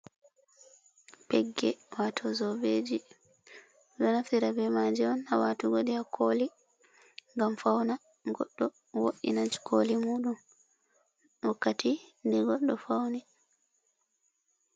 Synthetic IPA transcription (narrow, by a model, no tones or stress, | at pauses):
pɛɡːɛwatʰɔzɔbed͡ʒi | ɗɔnaftiɾabɛmad͡ʒɛɔnawaːtuɡoɗiakʰoli | ŋɡamfawna | ɡɔ̰ɗːɔ | woɗḭnad͡ʒkʰolimuːɗum | wakːatindɛɡɔɗːɔfawni